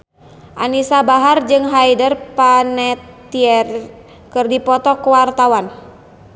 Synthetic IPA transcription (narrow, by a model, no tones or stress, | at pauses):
ʔanisabaɦard͡ʒɨŋɦajdərpanɛt̪ː | iɛr | kɨrdipɔt̪ɔkwart̪awan